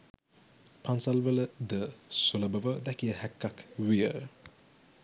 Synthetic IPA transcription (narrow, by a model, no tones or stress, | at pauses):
pʰansalʋələd̪əsuləbəʋəd̪ɛkijəhɛkːakʋijə